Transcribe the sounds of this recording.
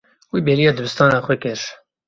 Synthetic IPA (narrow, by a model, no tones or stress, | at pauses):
wibeːlijɑːd̪ɨbɨst̪ɑːnɑːxʷɛkɪɾ